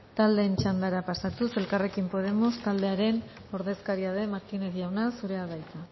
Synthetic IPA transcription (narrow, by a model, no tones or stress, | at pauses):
t̪ald̪e̞ːnt͡ʃand̪aɾapasat̪use̞lkare̞kimpo̞ð̞e̞most̪ald̪e̞aɾe̞n | o̞ɾðe̞skaɾiað̞e̞maɾt̪ineðiawnasuɾe̞aðajt̪a